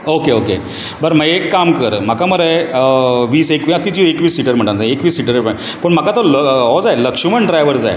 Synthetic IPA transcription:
okeoke | bəɾməekːamkəɾm̤akaməɾəe | ʋiːsekʋiat̪it͡ɕiekʋiːsːiʈəɾm̤əɳ̃ʈand̪aekʋiːsːiʈəɾeə | pəɳm̤akat̪əlɦɔd͡zajləkʂməɳɖɾajʋəɾd͡za̰j

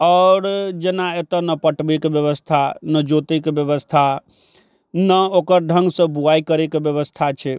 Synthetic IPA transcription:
ɔʊɾd͡ʒenaet̪ənəpəʈbekeʋjəʋəst̪ʰanəd͡ʒot̪ekebjəʋəst̪ʰa | nəokəɾɖʱə̃ŋɡsə̃buaikəɾekebjəʋəst̪ʰat͡ʃʰe

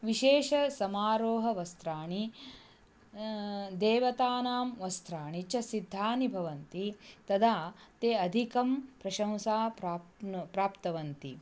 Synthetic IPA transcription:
ʋiʃeːʃɐsɐmaːɾoːɦɐʋɐst̪ɾaːɳi | d̪eːʋɐt̪aːnaːmʋɐst̪ʰɾaːɳit͡ʃɐsid̪ʱːaːnibʱɐʋɐnt̪it̪ɐd̪aːt̪eːɐd̪ʱikɐmpɾɐʃɐ̃w̃saːpɾaːpɾaːpt̪ɐʋɐnt̪i

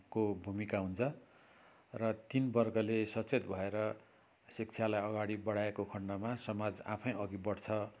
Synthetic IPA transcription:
kobʱumikaɦunt͡sʰʌ | rʌt̪inbʌrɡʌlesʌt͡set̪bʱʌeɾʌ | sik̚t͡sʰjalajʌɡaɽibʌɽ̤aekokʰʌɳɖʌmasʌmad͡za̰pʰʌjʌɡibʌɽt͡sʰʌ

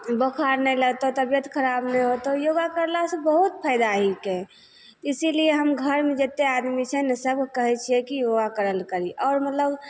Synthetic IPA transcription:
bəkʰaɾnɛlət̪ot̪əbjət̪kʰəɾabnɛjɦot̪ojoɡakəɾlasebəɦut̪pʰaɪd̪aɦike | t̪isilieɦəmɡʱəɾmẽd͡ʒet̪ead̪mit͡ʃʰɛnəsəb̚kəɦɛt͡ʃʰiɛkijoɡakəɾəlkəɾiʔɔːɾmət̪ləb

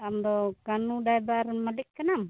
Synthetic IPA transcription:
amdɔkanudajbarmadikːənam

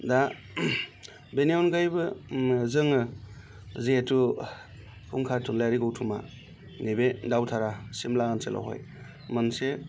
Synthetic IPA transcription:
da | beniɔnɡajbɯzɯŋɯ | zeːtu | kʰuŋkʰatʰunlajɾiɡɯwtʰuma̰ | nebedawtʰaɾasimlaɡanselʔa̰ɦo̰j | mɯnse

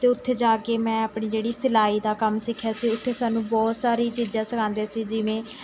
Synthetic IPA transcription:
t̪eːʊt̪ʰːeːd͡ʒaːkeːmɛ̃ːəpɳiːd͡ʒeːɽiːsɪlaːiːd̪aːkəmsɪkʰːjaːsiːʊt̪ʰːeːsaːnũːbɔːt̪saːɾiːt͡ʃiːd͡ʒãːsəkʰãːnd̪eːsiːd͡ʒɪʋẽː

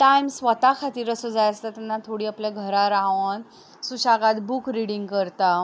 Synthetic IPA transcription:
ʈajmsʋət̪akʰat̪iːɾəsəd͡zajəst̪at̪anːat̪ʰoɽiːapljaɡʱəɾaɾaʋən | suɕaɡat̪bukɾiɽĩŋɡkəɾt̪a

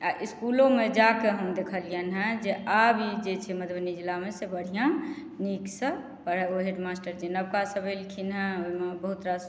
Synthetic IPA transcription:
aʔiskulomed͡ʒakeɦəmd̪ekʰəlijənɦɛ̃d͡ʒeabid͡ʒet͡ʃʰɛməd̪bənid͡ʒilamesebəɽ̤ijã | niksə̃ | pəɾɛoɦeɖmasʈəɾd͡ʒenəb̚kasəbelkʰinɦɛ̃oimebəɦut̪ɾas

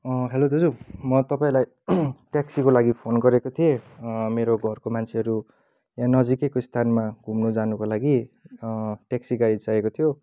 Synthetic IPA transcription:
ɦelod̪ʌd͡zumʌt̪ʌpaĩlaj | ʈeksikolaɡipʰonɡʌɾekot̪ʰiẽmeɾoɡʱʌrkomant͡sʰeɦʌɾu | jãnʌd͡zikekost̪ʰanmaɡʱumnod͡zanukolaɡi | ʈeksiɡaɾit͡saekot̪ʰijo

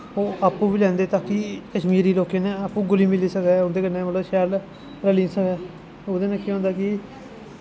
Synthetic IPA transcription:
oːʔaːpːũːʋiːlɛ̃ːnd̪eːt̪aːkiːkəʃmiːɾiːloːkẽːnẽːaːpːũːɡʊliːmɪliːsəkd̪ɛːʊnd̪eːkənːẽːʋəloːʃɛːl | ɾəliːsəkɛː | oːd̪eːnãːkĩɦõnd̪aːkɪ

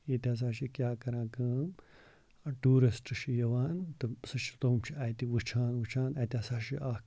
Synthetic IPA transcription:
jeːt̪ʲaːs̬aːʃikʲjaːkɐɾãːkɐːm | ʈuːɾisʈɨʃijɐʋaːnt̪ɨsɐt͡ʃʰi̥t̪oːmt͡ʃʰiaːjt̪iʋɨt͡ʃʰaːnʋɨt͡ʃʰaːnaːt̪iaːsaːʃiʔaː

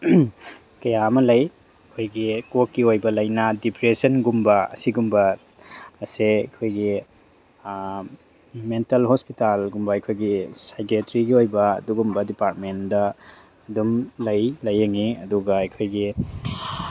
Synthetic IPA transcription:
kɐjamɐlɐj | kʰojɡikot̚kiojbɐlɐjnɐdipɾesɐnɡumbɐɐ̰siɡumbɐː | seɐkʰojɡi | mentɐlhɔspitalɡumbɐɐjkʰojɡisajɡetɾiɡiojbɐ̰ːduɡumbɐdipaɾt̚mendɐː | dumlɐjlɐjːɐŋiɐduɡɐːjkʰojɡi

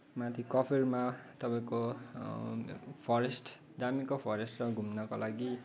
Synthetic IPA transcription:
mat̪ʰikʌpʰirmat̪ʌpaĩko | pʰʌɾesʈ | d͡zamikopʰʌɾesʈrʌɡʱumnʌkolʔaɡi

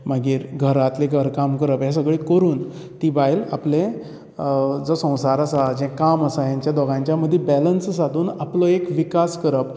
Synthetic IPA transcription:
maɡiːɾɡʱəɾat̪leɡʱəɾkamkəɾəpɦjas̬əɡɭikəɾuːn | t̪ibajlaplẽ | d͡zɔsə̃w̃saɾəsad͡ʑɛ̃kaməsajãɲt͡ɕjad̪ɔɡãɲt͡ɕjaməd̪ʱːjebɛlənssad̪ʱuːnaplɔekʋikaskəɾəp

